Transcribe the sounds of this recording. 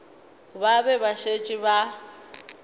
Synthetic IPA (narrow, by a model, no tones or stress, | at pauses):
babɛbaʃet͡ʃʼɪba